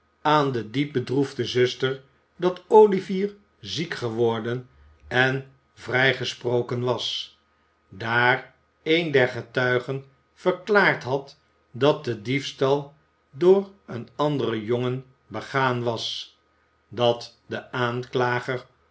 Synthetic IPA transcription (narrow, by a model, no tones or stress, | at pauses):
aːndədip̚bədruvdəzɵstəɹ | dɑtowliviːr | zikχəʋɔɹdən | ɛn | vrɛjχəsprowkənʋɑs | daːr | ejndɛɹχətœɥχən | fəɹklaːɹtɦɑt | dɑt̚dədifstɑlˠ | doːrənɑndərəjoŋən | bəχaːnʋɑs | dɑtdəaːnklaːχəɹ